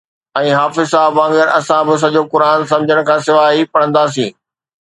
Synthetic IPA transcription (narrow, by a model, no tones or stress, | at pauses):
ɛ̃ːɦaːfɪzsaːɦbʋãːŋɡɪɾʔɐsãbɪs̬ɐʄoːkʊɾaːns̬ɐ̃md͡ʑʱəɽ̃̆kʰãːsɪʋaːɦipɐɽ̃ə̃nd̪aːs̬ĩː